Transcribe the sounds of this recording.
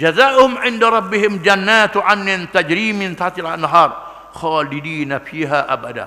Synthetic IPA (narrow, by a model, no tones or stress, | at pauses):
d͡ʒazaːʔhʊmʕɪndaɾˤɑbːɪɦɪmd͡ʒanːaːt̪ʕanːɪnt̪ad͡ʒɾiːmɪnt̪at̪ɪlanːaɦɑːɾˤ | xɑːlɪd̪iːnafiːɦaʔa̰bad̪a̰n